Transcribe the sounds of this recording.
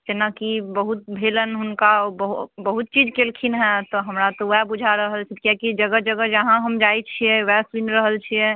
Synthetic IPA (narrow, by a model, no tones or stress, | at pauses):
d͡ʒenakibəɦut̪̚bʱelənɦunkabəɦbəɦut̪̚t͡ʃid͡ʒkelkʰinɦɛ̃t̪ɔɦəmɾat̪ɔwɛbud͡ʒʱaɾəɦəlt͡ʃʰikjakid͡ʒəɡəd͡ʒəɡəd͡ʒəɦãɦəmd͡ʒajt͡ʃʰijɛ̃wɛsʋinɾəɦəlt͡ʃʰijɛ̃